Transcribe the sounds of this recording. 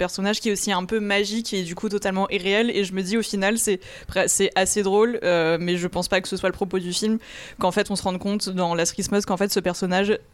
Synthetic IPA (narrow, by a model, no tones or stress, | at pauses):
pɛʁsɔnaʒkʲiɛosiɛ̃pømaʒiked̪ykut̪ɔt̪almɑ̃ʔiʁeɛleʒəməd̪iofinalsɛ | pχɛsɛʔased̪ʁolømɛʒəpɑ̃spakə̥səswaləpχɔpod̪yfilmkɑ̃fɛt̪ɔ̃səʁɑ̃d̪kɔ̃t̪d̪ɑ̃lasχismɔzkɑ̃fɛt̪səpɛʁsɔnaʒ